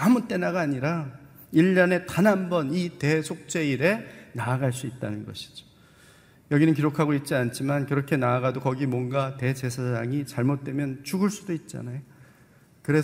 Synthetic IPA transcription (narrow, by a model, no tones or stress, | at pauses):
amut͈e̞naɡaːɲiɾa | iʎːʌne̞tanɦambʌnite̞sʰok̚t͡ɕ͈e̞iɾe̞naːɡaɭs͈uit̚t͈anɯnɡʌɕʰi̥d͡ʑo̥ | jʌɡinɯnk̬iɾokʰaɡoit̚t͡ɕ͈iant͡ɕʰimankɯɾʌkʰe̞naːɡadokʌɡimwʌnɡate̞d͡ʑe̞sʰad͡ʑaŋit͡ɕaɭmot̚t͈we̞mjʌnt͡ɕuɡɯɭs͈udoit̚t͡ɕ͈a̰najo | kɯɾe̞